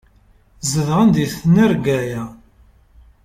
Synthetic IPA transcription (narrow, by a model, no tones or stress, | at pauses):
zəðʁənd̪iθnəɾɡæjæ